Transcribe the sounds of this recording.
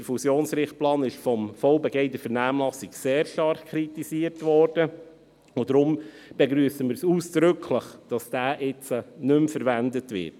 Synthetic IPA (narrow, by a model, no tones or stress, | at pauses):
dəɾfusjoːnsɾɪχt̚plɑːnɪʃfɔmfɔlbɛɡeɪdəfəɾnæːmlɑsikseːɾʃtɑɾχkʰɾitisiəɾtʋɔːɾd̥ə | od̥ɾʊm | b̥eɡɾyːəsəmɪːɾsuːsd̥ɾʏkʰləχd̥ɑsd̥æːʔɪt͡sənʏmfəɾvændətʋɪ̰